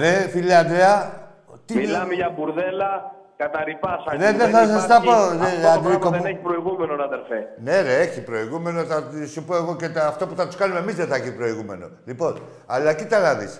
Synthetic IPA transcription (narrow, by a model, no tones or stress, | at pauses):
ðefiliɐnd̪ɾeɐ | t̪imilɐmeʝɐbuɾðelɐ | kɐt̪ɐɾipɐsɐðeðeθɐsɐst̪ɐpoðeɐd̪ɾikoneçi̥pɾoiɣumenonɐðeɾfene̞ɾeeçipɾo̞iɣume̞noθɐsupo̞eɣo̞cet̪ɐft̪o̞puθɐt̪u̥skɐnume̞mizðeθɐçipɾo̞iɣume̞̰no̞̰lipo̞n | ɐlɐcit̪ɐɾɐðis